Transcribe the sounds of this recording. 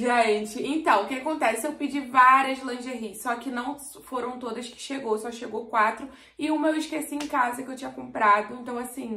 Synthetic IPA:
ʒẽt͡ʃɪẽt̪ɐ̃w̃kɪakõnt̪ɛsɪewpɪd͡ʒivaɾiɐzlɐ̃ʒeɦisɔkɪnɐ̃w̃ | foɾɐ̃w̃t̪od̪ɐskɪ̥ʃeɡowsɔʃeɡowkwat̪ɾʊ | ɪũmɐewɪʃkesiẽkazɐkɪewt͡ʃĩɲɐkõmpɾad̪ʊẽnt̪ɐ̃w̃asĩ

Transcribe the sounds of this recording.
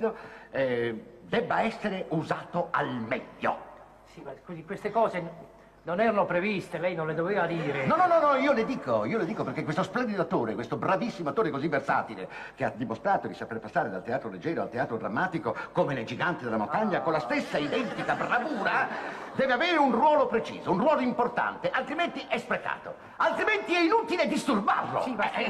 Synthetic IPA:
oɛ | d̪ɛbːaɛsːeɾeuzaːt̪oalmɛʎːo̰ | simakozikwest̪ekɔːze | nonɛːɾanopɾevist̪elɛjnõnled̪oveːvad̪iːɾenɔnɔnɔnɔiːoled̪iːkoiːoled̪iːkoperkekwest̪osplɛnd̪id̪oat̪ːoːɾekwest̪obɾavisːimoat̪ːoːɾekozivːersa̰ːt̪ilḛ | kead̪imost̪ɾaːt̪od̪isaperpasːaːɾed̪alt̪eaːt̪ɾoled͡ʒːɛːɾoa̰lt̪eaːt̪ɾod̪ɾa̰mːaːt̪ikokomenejd͡ʒiɡant̪id̪elamont̪aɲːakonlast̪esːaid̪ɛnt̪ikabravuːɾad̪ɛːveaveːɾeunrwɔːlopɾet͡ʃḭːzounrwɔːloimport̪a̰nt̪eʔalt̪ɾiment̪iʔɛspɾeka̰ːt̪o̰ | alt̪ɾiment̪iɛinuːt̪iled̪ist̪urba̰rlo̰sɛ

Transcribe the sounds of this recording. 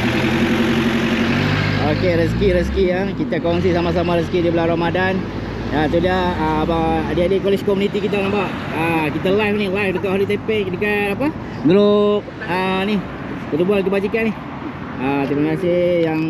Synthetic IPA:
okeɾəs̬kiɾəskiəkit̪akaŋs̬isamas̬amaɾəskidibəlaɾamadan | at̪̬udiaəbaadeadekolet͡ʃkomunit̪ikit̪̬aaŋbaʔ | əkit̪alajfnilajfdət̪oʔɦalit̪epɛʔdəkanapa | ŋɡəloʔ̚ | ənih | bət̪ubualkəbad͡ʒikani | ət̪imakasejaŋ

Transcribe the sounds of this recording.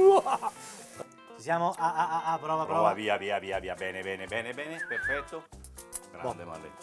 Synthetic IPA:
sjaːmoʔaaapːɾɔvaɾɔvaviːaviːaviːaviːabɛːnebɛːnebɛːnebɛːnepeɾfɛt̪ːo | ɡɾa̰ɔd̪ema̰nd̪ḛ

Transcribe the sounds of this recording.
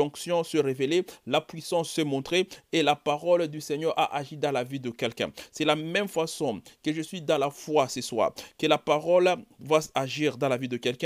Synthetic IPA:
ɔ̃ksjɔ̃səʁevelelapɥisɑ̃sːɛmɔ̃t̪χeelapaʁɔld̪ysɛɲœʁa̰ʔaʒid̪ɑ̃lavid̪əkʲɛlkɛ̰̃sɛlamɛmfasɔ̃kəʒəsɥid̪ɑ̃lafwasɛswa̰kəlapaʁɔlvwasaʒiʁd̪ɑ̃lavid̪əkɛlkɛ̃

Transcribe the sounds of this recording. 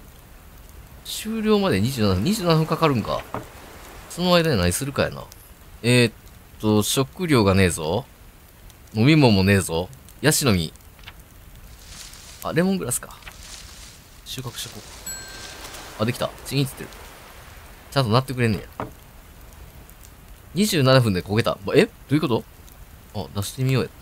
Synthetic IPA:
ɕɨːɾʲo̞ːmad̪e̞ɲ̟iʑɨːnnhɯ̟̃ɲ̟iʑɨːnanaɸɯ̟ŋkakaɾɯ̟̃ŋka̰ | so̞no̞ajd̪aɲanaɲisɨɾɯ̟kaja̰na̰ | et̪ːo̞ɕo̞kɯ̟ɾʲjo̞ːɡane̞ːzo̞ | no̞mʲimõ̞mːo̞ne̞ːzo̞ | jaɕino̞mʲḭ | a̰ɾe̞moŋɡɯɾasɨ̥kḁ̰ | ɕɨːkakɯ̟̥ɕoko | ad̪ekʲi̥t̪a̰t͡ɕiɲiɲit͡sɨ̥t̪ːeɾɯ̟ | t͡ɕãnt̪o̞nat̪ːe̞k̬ɯɾe̞nẽ̞̰ja̰ | ɲ̟iʑɨːnanaɸɯ̟nd̪e̞ko̞ɡe̞t̪a̰bed̪̥o̞iko̞t̪o̞ | ad̪aɕi̥t̪e̞mʲijo̞ːjet̪ː

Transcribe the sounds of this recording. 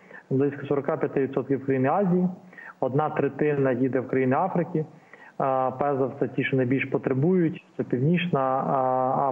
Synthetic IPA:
blˠɪsʲkɐsɔɾɔkɑpʲjɐt̪ɪʋidt̪sɔt̪kʲiwkɾɐjinɪɑzʲijiɔd̪nɑt̪ɾet̪ɪnɐjid̪ɛwkɾɐjinɪɑfɾɪkʲi | pɛzɐwt̪ɛtʲiʃɔnɐjbʲilʲʃpɔt̪ɾebujʊtʲt̪sɛpʲiwnʲiʃnɐ

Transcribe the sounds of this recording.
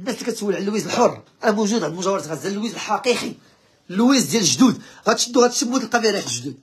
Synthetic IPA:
ənːæslækæt̪swəlʕlːwizəlħorˤːʔænæmuʒud̪ʕad̪mʊʒæwɑɾˤɑt̪ɣæzːællwizəlħɑqiqi | lːwizd̪jæləʒd̪ud̪ɣæt̪ʃəd̪ːuɣæt̪ʃəmːut̪lqɑbiɾiħləʒd̪ud̪̚

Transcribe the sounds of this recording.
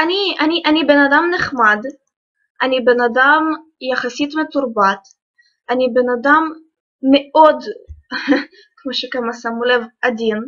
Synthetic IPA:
ʔaniʔaniʔanibenad̪amneχmad̪ | ʔanibenad̪amjaχasit̪met̪uɾbat̪ | ʔanibenad̪amː | eʔod̪ | kmoʃekamasamulevʔad̪in

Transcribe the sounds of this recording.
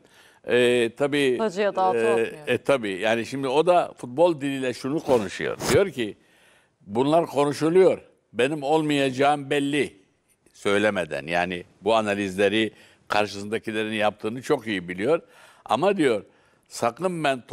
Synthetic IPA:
ɛːt̪ʰabiːd͡ʒo | t̪ʰabiːjaːniʃimd̪io̞d̪afut̪̚bo̞lˠd̪ilʲilʲɛʃunukʰo̞nuʃṵjo̰ɾd̪ijo̞ɾcʰi | bunlˠaɾkʰo̞nuʃulˠujo̞ɾ | be̞nimo̞lˠmajad͡ʒaːɯmbɛlʲːi | sø̞jlʲemed̪æ̰nja̰ːni | buanalʲizlʲeɾi | kʰaɾʃɯsɯnd̪acʰilʲeɾinjap̚t̪ʰɯːnɯt͡ʃʰo̞kijibilʲijo̞ɾ | a̰mad̪ijo̞ɾ | sakɯmbænt̪ʰ

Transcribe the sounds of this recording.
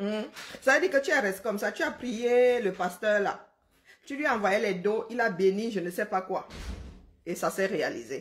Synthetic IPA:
savəd̪iːkət̪yaʁɛst̪e̥kɔmsat̪yapχijeləpast̪œːʁla̰ | t̪ylɥiaɑ̃vwajelɛd̪oʔilabeniʒənəsɛpakwa | esasɛʁealḭze

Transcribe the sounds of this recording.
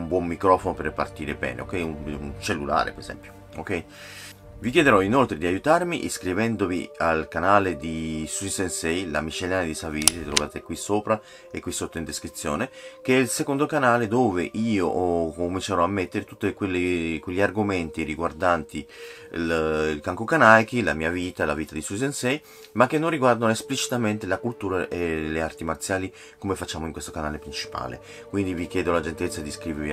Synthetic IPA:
umbwɔmːikɾɔːfonoperepa̰rt̪iːɾebɛ̰ːnḛo̰kːɛjununt͡ʃelːula̰ːɾḛpeɾezɛ̰mpjo | okːɛj | vikjɛːd̪eɾɔinolt̪ɾed̪iajut̪aɾmiʔeskɾivɛnd̪ovḭalkanaːled̪isuisensɛjla̰mit͡ʃːeljaːnad̪isaviɾit̪ɾovaːt̪akːwisoːpɾa | ekːwisːot̪ːoind̪eskɾit̪sːjo̰ːnekeɛilsekond̪okanaːled̪oːveʔiːoʔkomint͡ʃaɾɔamːet̪ːeɾet̪ut̪ːekwelːekweʎːiarɡoment̪iɾiɡward̪ant̪i | lilkaŋkokanajkilamiːaviːt̪alaviːt̪ad̪isus̬ensɛj | makːenːonriɡward̪anoesplit͡ʃi̥t̪ament̪elakult̪uːɾaʔeleart̪imart̪sjaːli | komefat͡ʃːaːmoiŋkwest̪okanaːlepɾint͡ʃi̥pa̰ːlḛ | kwind̪ivik̟jɛːd̪olad͡ʒent̪ɛlet̪sːad̪iskɾiːvevi

